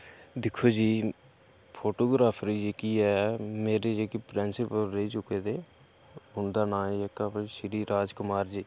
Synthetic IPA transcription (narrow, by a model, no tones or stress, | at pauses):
d̪ɪkʰːoːd͡ʒiː | pʰoːʈoːɡɾaːpʰɾiːd͡ʒekiːɛmeːɾed͡ʒeːkipɾɪnsɪpəlɾeit͡ʃʊkeːd̪eː | ɦʊnd̪aːnãːeːkapːʃɪɾiːɾaːd͡ʒkʊmaːɾd͡ʒiː